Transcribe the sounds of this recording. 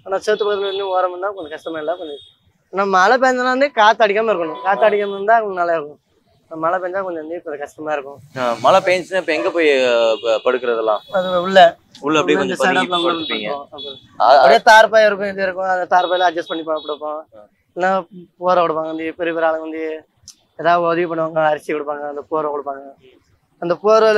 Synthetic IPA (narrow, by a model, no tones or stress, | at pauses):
aːnãːseːt̪ːɯpoːt̪ːɯlʋɐnd̪ɯoːɾɐmɐnd̪ãːkɔɲd͡ʒɐkɐsʈɐmaːɪlãːkɔɲd͡ʒɐ | nãːmɐlɐp̬eːɲd͡ʒanaːʋɐnd̪ɯkaːt̪ːɐɽɪkːaːmaːɪɾɯkːɐɳʊ̃kaːt̪ːɐɽɪkːamnd̪ãːkɔɲnɐlaːɪɾɯkːʊ̃ | naːmɐlɐpeːɲd͡ʒãkɔɲd͡ʒɐ̃ʋɐnd̪ɯkɔɲd͡ʒɯkɐsʈɐmaːɪɾɯkːʊ̃mɐlɐpeːɲt͡ʃnɯɪpːoɛŋɡepoːj | pɐɽɯkːɪɾɐðɛlːã̰ːɐðɯʊɭːɛ | ʊlːɐɐɽiɐnɯɐɐlãniŋɡɐ̃ɐpːɐɾɯ | ɐɐpːɐɽiːt̪aːɾpaːjɪɾɯk̬ːʊ̃ɪd̪ɯɪɾɯkːʊ̃ɐðɐt̪aːɾpaːjlãːɐd͡ʒɐspɐɳːɪpːɐɐpːɐɽɯpːõː | ɛnːaːpuɐɾɐkʊɽɯpːaːŋɡɐʋɐnd̪ɯpɛɾɯpeːɾaːlɯŋɡɐʋɐnd̪ɯ | eːðaːʋɯɔðɪʋip̬ɐɳːɯʋaːŋɡɐɐɾɪt͡ʃːikʊɽɯpːaːŋɡɐɐnd̪ɐpuɐɾɐkɔɽɯpːaːŋɡɐ | ɐnd̪ɐpuɾɐl